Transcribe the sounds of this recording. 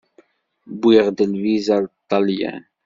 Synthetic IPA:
bwiʁd̪əlvizat̪ːɑljɛ̰n

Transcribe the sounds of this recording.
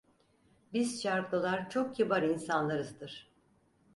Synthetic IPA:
biz̥t͡ʃʰaɾkɯlˠaɾt͡ʃʰo̞k̚cʰibaɾinsanlˠaɾɯzd̪ɯɾ̥

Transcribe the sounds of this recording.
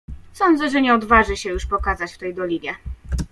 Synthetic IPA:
sɔnd̪zɛʐɛɲɛɔd̪vaʐɘɕɛjuʂpɔkazat͡ɕft̪ɛjd̪ɔlʲiɲʲjɛ

